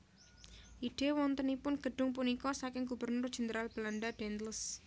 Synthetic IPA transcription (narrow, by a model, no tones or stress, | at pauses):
ʔiɖ̥e̤wɔŋt̪ənipʊnɡ̥ə̤ɖ̥ʊŋp̬unikɔsakɪŋɡub̥ərnʊrd̥ʒ̥ə̤nd̪əɾalb̥əlanɖad̥ɛnt̪ləs